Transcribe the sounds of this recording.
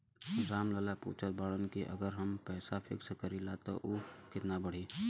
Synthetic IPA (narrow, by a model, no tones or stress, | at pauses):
nɪzaːmləlapṵːt͡ʃʰət̪̚baːɽənkiʔə̰ɡəɾɦɐmpɛːsafʰɪ̰ksəkəɾilaːt̪o̰ʔukɪt̪nabəɽ̤iː